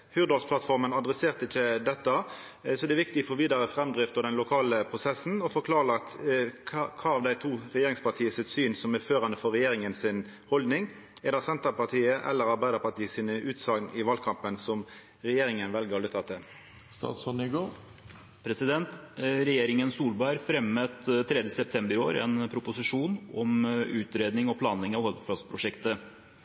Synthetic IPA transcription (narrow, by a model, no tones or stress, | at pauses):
hʉːd̪ɔlsplɑt̪fɔʁmənɑd̪ɾʁɛseːʁt̪əɪçːəd̪ɛt̪ːə | sɔd̪ɛːʋɪkt̪ɪfɔʋiːd̪ɑɾəfɾɛmd̪ʁɪft̪əd̪ɛnlʊkʰɑːləpʰʁʊsɛsn̩ɔfɔɾkʰlɑːʁləɑt̪ʰ | kʰɑːɑʋd̪æɪt̪ʰuːʁɛjeːɾɪŋspɑʁt̪ʰiːəsɪt̪syːnsɔmɛføːʁɑnəfɔɾːɛjeːɾɪŋənsɪn | hɔld̪nɪŋ | ɛd̪ɑsɛnt̪əpɑʁt̪ʰiːəʔɛ̰lːəɾɑɾbæɪd̪əpɑt̪iːəsiːnəʔʉːt̪sɑɡnɪʋɑːlkʰɑmpənsɔm | ɾɛjeːɾɪŋənʋɛlɡəʁɔlət̪ʰɑːt̪ʰːə | st̪ɑ̰ːt̪sɔnɪɡo | pʰɾɛsɪd̪ɛnt̪ɾɛjeːɾɪŋənsuːlbɑɪɾfɾɛmːət̪t̪ʰːɾɛd̪jəsɛp̚t̪ʰɛmbəɾo̰ːɾɛ̰npʰɾʊpʊsɪʂuːnɔmʉːt̪ɾeːd̪nɪŋɔpʰlɑːnɪŋɑʋhɔlfɑspʰɾʊʂɛkt̪ə